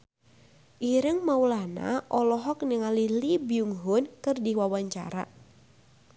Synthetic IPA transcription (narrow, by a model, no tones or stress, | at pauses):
ʔiɾəŋmaulana̰ʔɔlɔɦɔk̚nəŋalilibiuŋɦʊnkɨrdiwawaɲt͡ʃa̰ɾa̰